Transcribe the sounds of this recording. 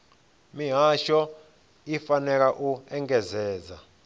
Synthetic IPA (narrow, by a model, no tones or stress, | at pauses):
miɦaʃɔ | ifanɛk̬aʔuɛŋɡɛzɛːza̰